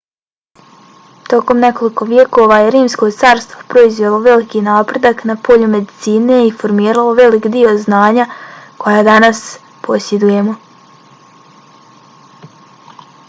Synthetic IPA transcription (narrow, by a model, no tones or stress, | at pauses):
t̪o̞ko̞mne̞ko̞liko̞ʋje̞ko̞ːʋajeɾiːmsko̞t̪saːɾst̪ʋopɾo̞izʋe̞lˠo̞ʋe̞likinaːpɾe̞d̪aknapo̞ʎume̞d̪it̪siːne̞ifo̞ɾmiːɾalˠo̞ʋe̞likd̪io̞znaːɲakʰo̞jaːd̪anas | pʰo̞sje̞d̪uje̞mo̞